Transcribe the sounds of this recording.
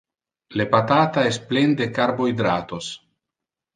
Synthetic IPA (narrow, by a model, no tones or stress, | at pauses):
lepat̪aːt̪aest̪̚plend̪ekaɾbojd̪ɾaːt̪os